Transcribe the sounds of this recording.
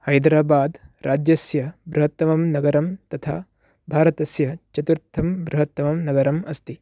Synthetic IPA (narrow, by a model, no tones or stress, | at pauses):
hɐjd̪ɾaːbaːd̪ɾʔaːd͡ʒjɐsjɐbɾuɦɐt̪ːɐmɐmnɐɡɐɾɐmt̪ɐt̪ʰa̰ː | bʱaːɾɐt̪ɐsjɐt͡ʃɐt̪uɾt̪ʰːɐmbɾuɦɐt̪ːɐmɐmnɐɡɐɾɐmɐst̪i